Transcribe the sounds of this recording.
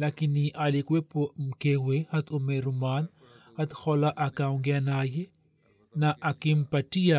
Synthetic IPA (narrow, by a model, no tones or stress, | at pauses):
lakinːiʔalikwepomkewehat̪umeɾumaːn | hat̪xolaʔakawŋɡjanaje | naʔakimpaʈia